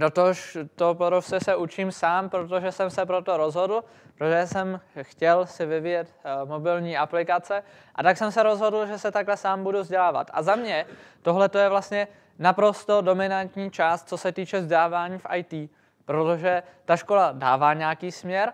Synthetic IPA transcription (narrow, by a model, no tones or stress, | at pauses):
ɾot̪oʃt̪opoɾofsɛsɛʔut͡ʃiːmsaːmpɾot̪oʒɛsɛmsɛpɾo̞t̪o̞ɾo̞zɦo̞dl̩ | pɾot̪oʒɛsɛmxcɛlsɪvɪvɪjɛt̪mo̞bɪlɲiːʔaplɪkat͡sɛ | ʔat̪aksɛmsɛɾo̞zɦo̞dl̩ʒɛsɛt̪aklɛsaːmbuduvzɟɛlaːva̰t̪a̰zamɲɛt̪o̞ɦlɛt̪o̞jɛvlast̪ɲɛ | napɾo̞st̪o̞do̞mɪnant̪ɲiːt͡ʃaːst̪̚t͡so̞sɛt̪iːt͡ʃɛvzɟɛlaːvaːɲiːfʔajt̪iː | pɾo̞t̪o̞ʒɛ | t̪aʃko̞ladaːvaːɲɛjakiːsmɲɛɾ